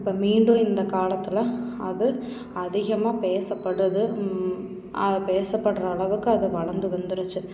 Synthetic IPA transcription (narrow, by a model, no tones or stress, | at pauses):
ɪpːoːmiːɳɖʊ̃ɪnd̪ɐkaːlɐt̪ːɪlɐɐðɯ | ɐðɪɣɐmaːpeːsɐpːɐɽɯðɯ | ɐpeːsɐpːɐɽɾɐːɭɐʋɯkːɯɐðɯʋɐɻɐɾnd̪ɯʋɐnd̪ɪɾɯt͡ʃːɯ